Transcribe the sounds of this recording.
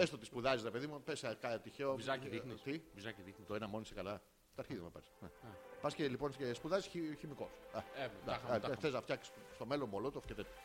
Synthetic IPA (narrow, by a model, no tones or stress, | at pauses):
est̪ot̪ispuðɐzisɾepe̞ðimupesɐkɐt̪içeozɐðinist̪ivizɐciðixnit̪oenɐmo̞nisekɐlɐ | t̪ɐɾçiðimɐpesnepɐscelipo̞nsespuðɐzisiçimiko̞sɐemd̪ɐɐθeznɐft̪çɐksi̥sst̪o̞melomolot̪ofcet̪et̪